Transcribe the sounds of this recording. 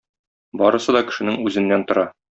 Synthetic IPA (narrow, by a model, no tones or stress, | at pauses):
bɒɾɤ̆sɤd̪ɒkɘ̥̆ʃɘ̆nɘŋʉzɘ̆nːænt̪ŏɾɑ